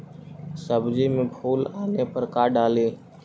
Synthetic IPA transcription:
səbd͡ʒiːmẽːbʱoːlaːneːpəɾkaːɖaːleː

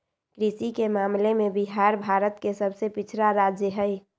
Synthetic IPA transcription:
kɾisikemaːmlemẽbiɦaːɾbʱaːɾət̪kesəbsepɪt͡ʃʰɾaɾaːd͡ʒjəɦɛj

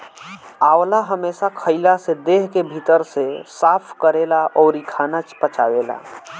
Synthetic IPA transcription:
aːwlaɦəmeːsakʰəɪlased̪eːɦkebʱit̪əɾsesaːpʰkəɾelaʔɔːɾikʰanat͡ʃpət͡ʃaːweːla̰

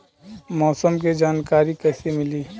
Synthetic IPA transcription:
mɔːsəmk̬ed͡ʒaːnkaːɾikɛːsemɪliː

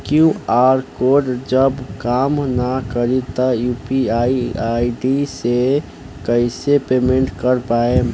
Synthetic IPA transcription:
kjuaːɾkoɖd͡ʒəbkaːmnakəɾit̪əjuːpiaiaiɖise | kəɪsepemẽɳʈkəɾpae

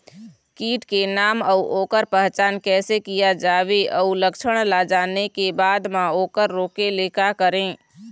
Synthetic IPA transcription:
kiːʈkenaːməuʔoːkəɾpəɦt͡ʃaːnkɛːsekijad͡ʒaːʋeʔəuləkʃʰəɽ̃lad͡ʒaːnekebaːd̪mãoːkəɾːoːkeleːkakəɾẽː

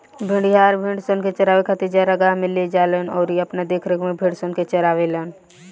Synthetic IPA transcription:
bʱɪ̃ɳɖɦaːɾbʱɪ̃ɳɖsonket͡ʃəɾaːʋekʰət̪id͡ʒaɾəɡamɪlied͡ʒaːlenɔːɾiɐpnad̪eːkʰɾəkmẽbʱĩɽsonket͡ʃəɾaːʋeləːn

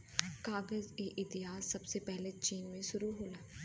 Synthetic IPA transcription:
kaːɡəzeːʔɪt̪ɪɦaːsːəbseːpɛɦlet͡ʃiːnmẽʃʊɾuɦoːlaː

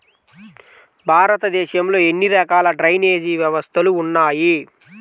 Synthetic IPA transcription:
bʱaːɾɐt̪ɐd̪ɛːʃɐmlo̞ːe̞nːiɾɐkaːlɐɖɾɐjne̞ːd͡ʒiːʋjɐʋɐst̪ʰɐluːnːaːji

